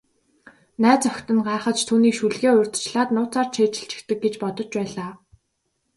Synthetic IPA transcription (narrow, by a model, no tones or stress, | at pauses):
næːt͡sœxʲt̪ɘ̆nɢaːrχə̆t͡ɕt̪ʰuːniːkʃuɮɣeːʊrʲt̪t͡ɕɮaːt̪nʊːt͡saːrt͡ɕʰeːt͡ɕɪ̥̆ɬt͡ɕɪ̥̆xt̪ɘ̆k̚ɡet͡ɕpɔt̪ɞ̆t͡ɕpæːɮaː